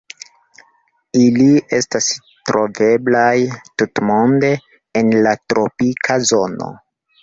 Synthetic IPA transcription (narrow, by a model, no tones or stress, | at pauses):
ilie̞stas | tɾʔo̞ve̞blajtutmondeː | nlatɾo̞pikʰazo̞no̞̰